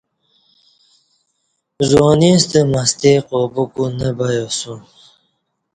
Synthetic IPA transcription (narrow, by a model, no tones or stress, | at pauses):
zoːnist̪əmast̪eqobukunəbajosu